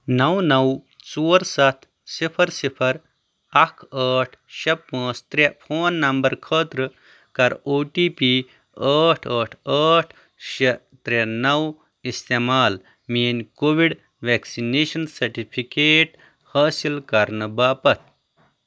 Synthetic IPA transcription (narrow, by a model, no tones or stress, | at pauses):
nɐwnɐw | t͡soːɾsɐt̪ʰ | sipʰɐɾsipʰɐɾ | ɐkʰɐːʈʰʃɐpɐ̃ːt͡st̪ɾepʰoːnːɐmbɐɾkʰəːt̪ɾɨ | kɐɾoːʈiːpiː | əːʈʰəːʈʰəːʈʰ | ʃɐ | t̪ɾenɐw | ist̪emaːl | miːnʲkoːʋiɖ | ʋeːksineːʃɐnsɐɾʈipʰikeːʈ | haːsilkɐɾnɨbaːpɐt̪̚ʰ